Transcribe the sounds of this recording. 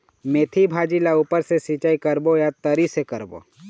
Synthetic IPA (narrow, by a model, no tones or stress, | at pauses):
meːt̪ʰibʱaːd͡ʒilauːpəɾsesit͡ʃaːikəɾbojat̪əɾisekɐɾbo̰